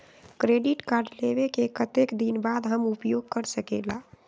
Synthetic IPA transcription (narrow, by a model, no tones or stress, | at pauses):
kɾeɖiʈkaɾɖlebekekət̪ekd̪inbad̪ɦəmupjoɡ̚kəɾsəkela̰